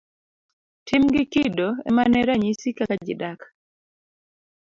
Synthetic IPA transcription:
tʰimɡɪkidoɛ̰manɛɾaɲisikakad͡ʒɪ̰dakḁ

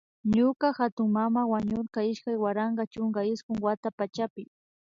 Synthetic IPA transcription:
ɲʊkaxat̪ʊŋmamawaɲʊɾkaɪʃkajwaɾɑɴɢɑt͡ʃʊŋɡaɪskʊŋwat̪apat͡ʃapɪ

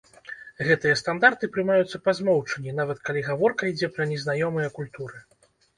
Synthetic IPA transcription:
ɣɛt̪ɨjɐst̪and̪art̪ɨpɾɨmajut̪sːɐpazmɔwt͡ʂɐnʲinavɐt̪kalʲiɣavɔrkɐid͡zʲɛpɾɐnʲɛznajɔmɨjɐkulʲt̪uɾɨ

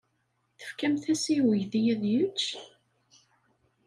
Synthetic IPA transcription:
θə̥fkæmθæsiwəjθijæðjət͡ʃː

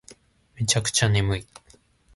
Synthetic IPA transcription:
met͡ɕakɯ̟̥t͡ɕanemɯi

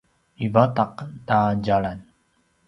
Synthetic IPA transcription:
ivataqtaɟaɭan

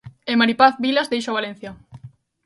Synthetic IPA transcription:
emaɾipaθbilazd̪ejʃoβalen̟θja

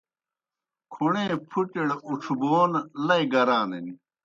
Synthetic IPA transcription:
kʰuɳẽːpʰuʈeɽuʈ͡ʂʰuboːnlɐiɡɐɾaːneni

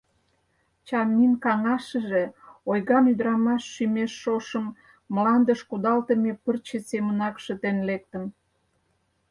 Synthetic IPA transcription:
t͡ɕɑminkɑŋɑʃə̆ʒe̽ojɣɑmyd̪əɾɑmɑʃːymeʃːoʃəmː | lɑnd̪əʃkud̪ɑlt̪əmepərt͡ɕesemənɑkʃət̪enlek̚t̪əm

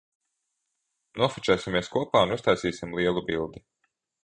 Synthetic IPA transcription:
nuɔfit͡ʃʲæːsimiɛskuɔpaːunust̪ajsiːsʲimlˠiɛlˠubilˠd̪i

